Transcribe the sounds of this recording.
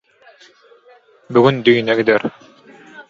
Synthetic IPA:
byɡynd̪yjnɛɡid̪ɛɾ

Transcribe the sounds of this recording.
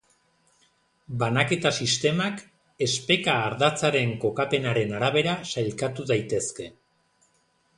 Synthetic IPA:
banake̞t̪asist̪e̞mak | e̞spe̞kaːɾðat͡saɾe̞ŋko̞kape̞naɾe̞naɾaβe̞ɾasajlkat̪uðajt̪e̞ske̞

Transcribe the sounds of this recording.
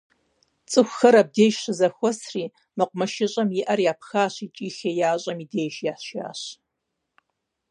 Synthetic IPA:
t͡sʼɨxʷxɐɾab̚deːʃɕɨzɐxʷɔsriː | mɨqʷmɐʃɪɕʼɐmjɪʔɐrjaːpʰxaːɕit͡ʃʼiːxejaːɕʼɐmideːjʃjaːħɕja̰ːɕ

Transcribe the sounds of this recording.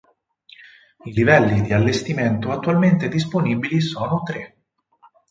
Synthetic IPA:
ilivɛlːid̪ialːest̪iment̪oat̪ːualment̪ed̪is̬poniːbilisɔːnot̪ɾe

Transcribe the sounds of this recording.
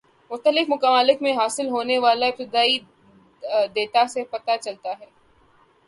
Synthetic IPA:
mʊχt̪əlɪfmʊkəmaːlɪkmẽɦaːsɪlɦoːneʋaːlaɪp̚t̪ɪd̪aːi | d̪eːt̪asepɐt̪at͡ʃɐlt̪aɦɛː

